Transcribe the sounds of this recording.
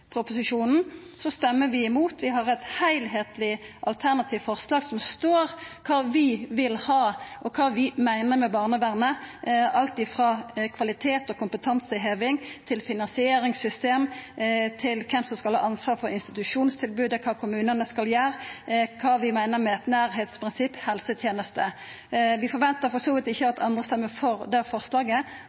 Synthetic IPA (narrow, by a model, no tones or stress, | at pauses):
pʰɾʊpʊsɪʃuːnn̩ | sɔst̪ɛmːəʋɪɪmuːt̪ʰʋɪɦɑɾɛt̪hæɪlɦeːt̪lɪʔɑlt̪ʰæʁnɑt̪ʰiːʋfɔʁslɑːɡsɔmst̪oːʁkʰɑːʋɪʋɪlhɑːʔɔkʰɑːʋɪmæɪnəmɛbɑːʁnəʋæːʁnəʔɑlt̪ɪfʁɑːkʰʋɑlɪt̪ʰeːt̪ɔkʰʊmpət̪ʰɑnsəɦeːʋɪŋt̪ʰɪlfɪnɑnsɪeːɾɪŋsʏst̪eːmt̪ʰɪlkʰɛmsɔmskɑlhɑ̰ːʔɑnsʋɑːʁfɔɾɪnst̪ɪ̥t̪ʉʂuːnst̪ʰɪlbʉːd̪əkʰɑːkʰʊmʉːnənəskɑljæːʁkʰɑːʋɪmæɪnəɾmɛɛt̪næːʁɦeːt̪spʰɾɪnsɪpːhɛlsət̪ʰjeːnəst̪ə | ʋɪfɔɾʋɛnt̪əfɔsuːʋɪt̪ɪçːəɑt̪ʰɑ̰nd̪ʁəst̪ɛmːəfɔʁd̪ɛfɔʁslɑːɡə